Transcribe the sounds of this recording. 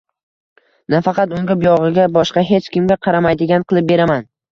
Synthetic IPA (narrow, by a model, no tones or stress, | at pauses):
nafɑqɑt̪ʊŋɡʲɪpjɒʁɨɡʲabɒʃqɑɦe̞t͡ʃkʲɪmɡʲaqʰɑɾamajd̪ɪɡʲanqʰɨlˠɪp̚be̞ɾaman